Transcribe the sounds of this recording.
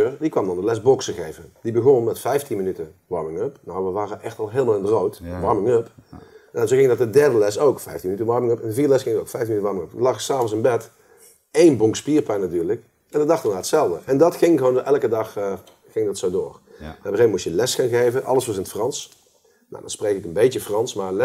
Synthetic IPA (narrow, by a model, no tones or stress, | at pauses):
ørdikʋɑmdɑndəlɛsboksəɣejvədibəɣonmɛtfɛjftinmənytə | ʋɑɹmɪŋøpnawʋəʋaːrəʔɛxtɑlˠɦeːlˠmalˠɪndərowtʋɑɹmɪŋøpnanzoɣɪŋdɑt̚dədɛɹdəlɛsowkfɛjftinmənytənʋɑɹmɪŋøpɛndəviːrdəlɛsxɪŋdoʊkfɛjfinmnytəʋɑɹmɪŋøpəlɑxsaːvəns̬ɪnbɛt | ejnboŋkspiːrpɛnatyːɹlək | ʔɛndɔdɑxtənaːətsɛlˠdəʔɛndɑtxɪŋɣəʋoːnʔɛlˠkədɑx | xɪŋdɑtsowdo̰ːrbəeːmmustjəlɛsxaːnɣejvənʔɑ̰lˠəsʋɑsɪnətfrɑns | no̰dɑ̰nsprejkɪkənbejtjəfrɑnsmal